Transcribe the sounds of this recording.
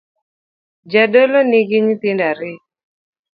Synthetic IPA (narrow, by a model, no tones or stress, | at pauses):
d͡ʒadoloniɡɪɲit̪ɪndaɾɪ